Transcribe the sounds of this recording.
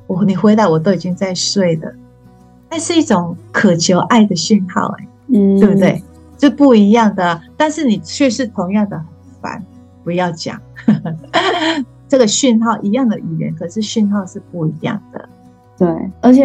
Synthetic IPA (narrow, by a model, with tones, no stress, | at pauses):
wɔ˨˩ni˨˩xwe˧ɪt̪a˥˩ɪwɔ˨˩t̪̬o˥ʊi˨˩t͡ɕi˥ŋt͡sa˥˧ɪʂwe˥˩ɪd̪ə̰˩ | t̪a˥˧nʂɻ̩˥˧i˥˩ʈ͡ʂo˨˩˦ŋkʰɤ˨˩t͡ɕʰjo˧˥ʊʔa˥˩ɪd̪ə˩ɕy˥˧nxɑ̰˥˩ʊḛ˨˦ɪt̪we˥˩bu˧t̪we˥˩ɪ | ʂ̩˥˧pu˥˩i˧˥jɑ˥˩ŋd̪ə˩t̪a˥˧nʂɻ̩˥˩ni˨˩t͡ɕʰɥɛ˥˧ʂɻ̩˥˩t̪ʰo˧˥ŋjɑ˥˩ŋd̪ə˨˩hə˨˩nfa̰˧˥n | pu˧˥jɑ˥˩ʊt͡ɕjɑ̰˨˩˦ŋ | ʈ͡ʂɤ˥˩ɡə˩ɕy˥˧nxɑ˥˩ʊʔi˧˥jɑ˥˩ŋd̪ə˨y˨˩ɥɛ̰˧˥nkʰɤ˨˩ʂɻ̩˥˧ɕy˥˧nxɑ˥˧ʊʂɻ̩˥˧pu˥˩i˧˥jɑ̰˥˩ŋd̪̥ə̰˩ | t̪we˥˩ɪə˞˧˥t͡ɕʰjɛ˨˩